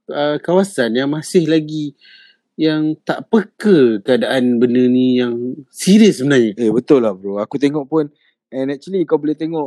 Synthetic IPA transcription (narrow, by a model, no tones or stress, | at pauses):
əkawasanjaŋmãsɪhlaɡi | jaŋt̪aʔpəkəkəadaʔanbənənĩjaŋsiɾiəsəbənarɲaebət̪ʊlːahbɾoakut̪eŋɔʔpʊn | ɛnɛk̚t͡ʃuəlikawbolet̪eŋɔʔ